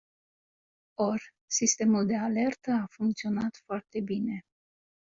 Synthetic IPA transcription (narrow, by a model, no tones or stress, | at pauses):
o̞rʲ | sist̪e̞muld̪e̞ale̞rt̪əafuŋkt̪sio̞nat̪foart̪e̞bine̞